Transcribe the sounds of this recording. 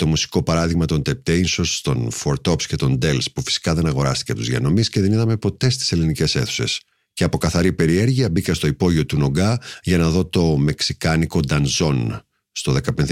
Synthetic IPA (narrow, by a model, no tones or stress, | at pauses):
t̪o̞musi̥ko̞pɐɾɐðiɣmɐt̪o̞nt̪ep̚t̪einso̞st̪o̞̰nfoɾt̪o̞psce̞t̪o̞nd̪e̞lspufi̥si̥kɐðe̞nɐɣo̞ɾɐst̪i̥cet̪uzʝɐ̰no̞misce̞ðe̞niðɐme̞po̞t̪e̞st̪i̥se̞linice̞se̞̰θu̥se̞̰s | ceɐpo̞kɐθɐɾipe̞ɾie̞ɾʝiɐbikɐst̪o̞ipo̞ʝio̞t̪uno̞ɡɐʝɐnɐðo̞t̪o̞me̞ksikɐniko̞d̪ɐnzo̞n | st̪o̞ðe̞kɐpenð